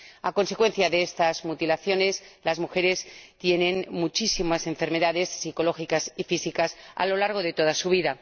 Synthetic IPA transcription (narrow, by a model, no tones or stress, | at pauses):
ako̞nse̞kwe̞n̟θjaðeest̪azmut̪ilaθjo̞ne̞slazmuxe̞ɾe̞st̪je̞nẽ̞nmut͡ʃisimase̞ɱfe̞ɾme̞ðaðe̞sːiko̞lo̞xikasifisikasa̰lo̞laɾɣ̞o̞ðe̞t̪o̞ð̞asuβ̞iða